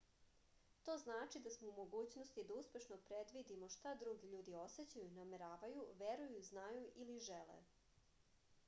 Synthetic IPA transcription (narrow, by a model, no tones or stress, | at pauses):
t̪o̞ːznaːt͡ʃid̪asmoumo̞ɡuːt͡ɕnost̪id̪auspʲe̞ʃnopɾed̪ʋid̪imo̞ʃt̪ad̪ɾuɡiʎuːd̪io̞set͡ɕajunameɾaːʋajuʋeɾujuznajuʔiliʒelḛ